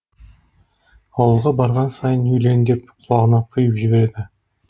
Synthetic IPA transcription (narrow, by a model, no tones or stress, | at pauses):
ɑwəlˠʁɑbɑɾʁɑnsɑjənɵjle̞nd̪e̞pqʰʊlˠɑʁənɑqʰʊjəpʒɪbe̞ɾe̞d̪ɪ